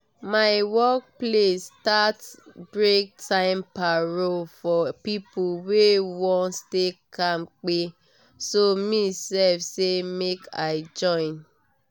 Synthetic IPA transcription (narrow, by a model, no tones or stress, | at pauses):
maɪwɔk̚plestatbɾek̚tʰãɪmpaɾofɔpipuwewɔ̃nstekam̩k͡pe | somisɛfsemekaɪd͡ʒɔ̃ɪ̃n